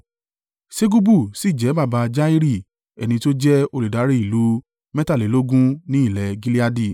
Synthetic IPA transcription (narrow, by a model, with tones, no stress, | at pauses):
se˦ɡu˦bu˦˨si˦˨d͡ʒɛ˨˦ba˦˨ba˧d͡ʒa˦i˦ɾi˦˨ | ɛ˨nĩ˧to˦d͡ʒɛ˦o˧li˨da˨˦ɾi˦i˨lu˨˦ | mɛ˦ta˦˨li˨˦lo˦ɡũ˦nĩ˦i˦˨lɛ˨ɡi˦li˦a˦˧di˦˨